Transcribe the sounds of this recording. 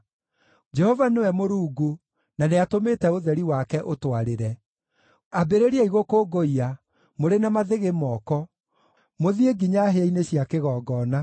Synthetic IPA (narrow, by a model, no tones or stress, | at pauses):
d͡ʒɛhɔvanewɛmoɾuːɡu | naneatometɛoðɛɾiwakɛʔotwaɾeɾɛ | abeɾeɾiaiɣokoɡoia | moɾenamaðeɣemɔːkɔ | moðieɡiɲaɦeaineɕjakeɣɔːɡɔna